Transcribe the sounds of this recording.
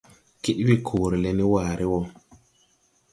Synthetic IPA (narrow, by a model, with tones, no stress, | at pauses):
ki˦ɗwi˦˨kʰoː˨ɾi˨le˨ni˦waː˨ɾi˦wɔ˦